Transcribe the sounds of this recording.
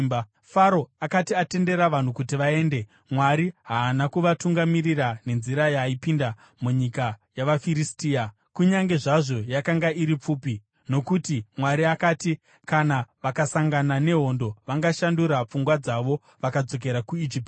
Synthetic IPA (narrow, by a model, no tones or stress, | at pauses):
faɾo̞akatiate̞nde̞ɾaʋan̤ukutiʋae̞ːnde̞ | mwaɾiɦaːnakuʋatuŋɡamirirane̞nziɾajaipinda | muɲikajaʋafiɾistiːa | kuɲaŋɡe̞ʐaʐo̞jakaŋɡaiɾip͡fuːpi | no̞kutimwaɾiakaːti | kanaʋakasaŋɡanane̞ɦo̞ndo̞ʋaŋɡaʃanduɾap͡fuŋɡwad͡zaʋo̞ | ʋakad͡zo̞k̬e̞ɾakuid͡ʒiːp̚ti̥